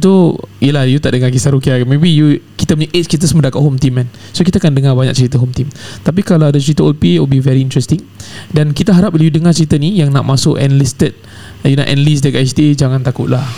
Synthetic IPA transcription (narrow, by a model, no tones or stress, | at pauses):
t̪oḭjəlahjut̪aʔdəŋakisaɾukiakanmebijukit̪əpuɲaʔet͡ʃkit̪̬əsmədakat̪ʔ̚ɦomt̪imɛn | sokit̪aakandəŋabaɲa̰k̚t͡ʃəɾit̪əɦomt̪imt̪ap̬ikalaadat͡ʃəɾit̪əɔlpiwilbivɛɾiːnt̪ɾɛst̪iŋdankit̪əɦaɾap̚iljudəŋat͡ʃəɾit̪ənijaŋna̰ʔmasʊkɛnlist̪ət̪̚ | juna̰ʔɛ̰nlis̬dakaʔɛsdied͡ʒaŋãnt̪akʊʔ̪lah